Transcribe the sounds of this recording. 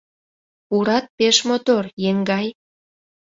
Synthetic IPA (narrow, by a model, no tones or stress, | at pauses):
uɾɑt̪̚peʃmot̪orjeŋɡɑj